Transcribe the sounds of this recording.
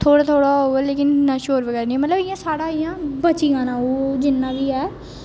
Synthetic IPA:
t̪ʰoːɽaːt̪ʰoːɽaːɦoːɛːleːkɪnnaʃoːɾʋəɡɛːɾnĩːmət̪ləbɪjãːsaːɽaːɪjãːbət͡ʃiːãːnãːoːd͡ʒɪnːãːbiːɦɛː

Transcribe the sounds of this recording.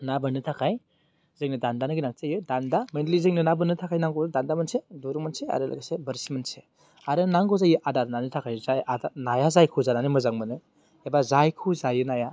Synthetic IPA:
nabɯnɯtʰakʰaj | zɯŋnɯdandanɯɡinaktajɯdandamendlizɯŋnɯnabɯnɯtʰakʰajnaŋɡodandamɐnseduɾumɐnsea̰ɾɯla̰ɡasebɐɾsimɐnse | aɾɯnaŋɡɔzajɯʔadaɾnanɯtʰakʰajzajaanajazajkʰuzananɯmɯzaŋmɯnɯ | ebazajkʰuzajɯnaja

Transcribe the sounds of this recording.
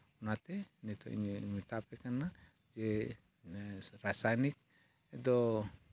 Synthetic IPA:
unat̪ɛnit̪ɔ̰ḭɲmit̪apɛkana | d͡ʒɛ | ɾasajnik̚ | ɛd̪ɔ

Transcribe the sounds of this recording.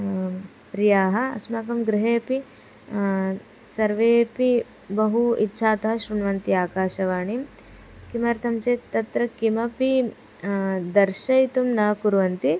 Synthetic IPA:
pɾijaːɦɐɐ̰smaːkɐmɡɾɪɦeːpi | sɐɾʋeːpi | bɐɦuitːʃʰaːt̪ɐɦɐʃɾuɳʋɐnt̪iaːkaːʃɐʋaːɳim | kimɐɾt̪ʰɐmt͡ʃeːt̪ɐt̪ɾɐkimɐpi | d̪ɐɾʃɐjt̪umnɐːkuɾʋɐnt̪i

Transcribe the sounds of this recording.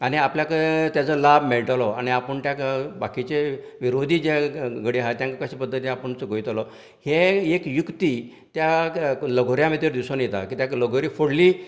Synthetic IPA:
aɽ̃iapljakət̪jat͡səlabmeɭʈlɔaɽ̃iapəɳt̪jakbakit͡ɕe | ʋiɾod̪ʱiːd͡ʑeɡəɽiɦajt̪jaŋkəkəɕiːpəd̪ʱːət̪iapəɳt͡səɡʱojt̪lɔ | heekjukt̪i | t̪jaləɡʱoɾjamet̪iɾd̪isɔnjet̪a̰kiːt̪jakləɡʱoɾiːfoɽliː

